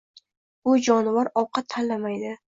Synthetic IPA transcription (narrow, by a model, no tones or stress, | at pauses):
bʊd͡ʒɒnvaɾɒwqʰɑt̪ʰːanlamajd̪ɪ